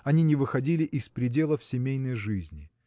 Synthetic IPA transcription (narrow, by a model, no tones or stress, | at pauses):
ɐnʲinʲɪvɨxɐdʲilʲɪʔɪspɾʲɪdʲe̞lˠəfsʲɪmʲejnəjʐɨzʲnʲɪ